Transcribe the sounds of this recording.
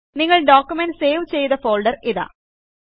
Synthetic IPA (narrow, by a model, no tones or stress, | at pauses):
niŋːɐɭɖoːkjumense̞ːʋt͡ɕe̞jðɐfo̞ːɭɖɐriða̰ː